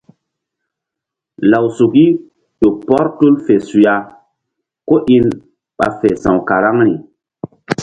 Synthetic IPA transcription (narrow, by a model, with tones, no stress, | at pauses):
la˨wsu˨ki˦ | ɗo˨pɔ˦ɾtu˦lfe˨su˨ja˦ | ko˦ʔi˦n | ɓa̰˨fe˨sã˨wka˨ɾa˦ŋɾi˨